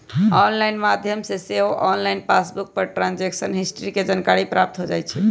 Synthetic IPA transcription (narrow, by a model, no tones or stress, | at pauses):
ɔnlajnmad̪ʱjəmseseɦoʔɔnlajnpasbuk̚pəɾʈɾand͡ʒeksənɦisʈɾiked͡ʒankaɾipɾap̚t̪ɦod͡ʒajt͡ʃʰɛ